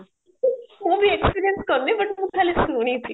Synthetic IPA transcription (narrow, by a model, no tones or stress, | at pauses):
ɦũbʱiekspiɾijenskəɾnebəʈmũt̪ʰalesuɽ̃itʰi